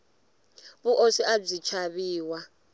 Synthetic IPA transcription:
βuʔosiab͡ʐit͡ʃʰaβiːwa

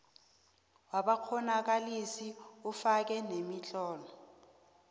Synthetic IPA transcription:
waɓak͡xʰɔnak̬alisiufak̬ɛnemiɬɔːlɔ

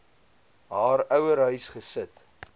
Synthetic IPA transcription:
ɦɑːɾœwəɾɦœɥsχəsət

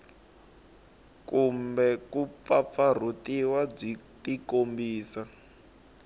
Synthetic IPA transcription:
kumbɛkup̪fap̪far̤utiwab͡ʐitikombiːsa

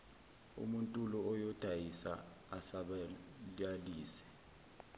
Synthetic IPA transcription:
ṵmuntʼulɔɔjɔd̥ʱajisa̰ | asaɓaaliːsɛ̥

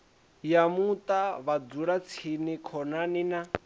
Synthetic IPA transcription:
jamut̪ʼaβad͡zuɺat͡sʰinikʰɔnanina

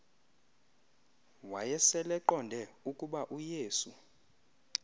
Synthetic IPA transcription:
wajɛsɛlɛǃɔndʱɛukʼuɓaʔujeːsu

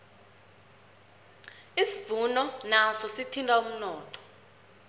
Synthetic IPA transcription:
isiv̥unɔnasɔsitʰintʼaum̩nɔːtʰɔ̥

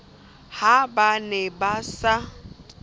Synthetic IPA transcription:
habanɛbasa

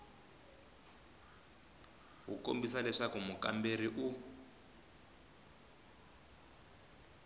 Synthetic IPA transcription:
ɣṵko̰mbisalɛʂakumuka̰mberiʔu

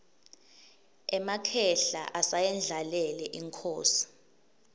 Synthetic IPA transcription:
ɛmakʰɛɬa̰ʔasajɛnd͡ɮʱalɛlɛʔiŋkʰoːsi̥

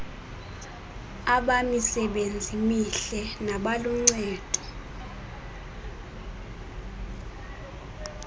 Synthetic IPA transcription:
aɓamisɛɓend͡zʱimiɬɛnaɓalum̩ŋ͡ǀɛːd̥ʱʼɔ̥

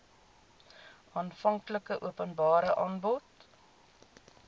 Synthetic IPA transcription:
ɑːnfɐŋkləkəʔuəpənbɑːɾəʔɑːnbɔt

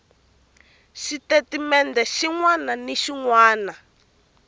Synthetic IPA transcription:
ʃitetimɛndɛʃiŋwananiʃiŋwaːna

